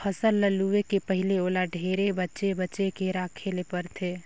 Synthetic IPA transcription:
pʰəsəlːəluekepəɦɪleoːlaɖʱeːɾebətːʃebətːʃekeɾaːkʰelepəɾt̪ʰeː

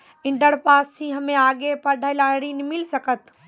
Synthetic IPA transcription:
ɪ̃ɳɖəɽpaːst͡ʃʰĩɦəmẽaːɡepəɖʱəɪlaɽinimɪlsəkət̪

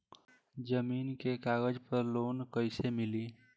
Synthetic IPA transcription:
d͡ʒəmiːnkekaːɣəd͡ʒpəɾloːnkəɪsemɪliː

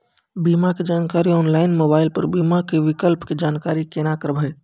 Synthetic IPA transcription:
biːmaked͡ʒaːnkaːɾiɔːnlaːɪnmoːbaːɪlpəɾbiːmakeʋɪkəlpked͡ʒaːnkaːɾikeːnakəɾbʱəe

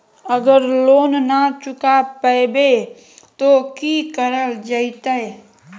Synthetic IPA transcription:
əɡəɾloːnnat͡ʃʊkapəɪbe | t̪okikəɾəld͡ʒəit̪ae

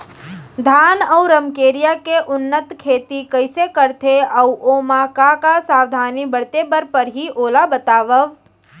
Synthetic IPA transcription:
d̪ʱaːnɐwɾəmkeːɾijakeʔʊnːət̪kʰeːt̪ikɐɪsekəɾt̪ʰeɐwʔoːmãkakasaːʋd̪ʱaːnibɐɽ̤t̪ebəɾpəɾɦiʔoːlabət̪aːʋəʋ

